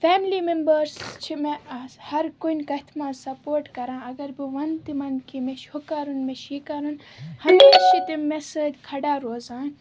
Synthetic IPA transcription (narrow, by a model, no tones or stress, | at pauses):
feːmliːmembɐɾst͡ʃʰimehɐɾkunʲkɐt̪ʰmãːsɐpoːɾʈkɐɾãːɐɡɐɾbiʋɐnt̪imɐnkimeʃhokaɾunmeʃikɐɾunhɐmeːʃit̪imesɐd̪ʲkʰɐɖaːɾoːzãːn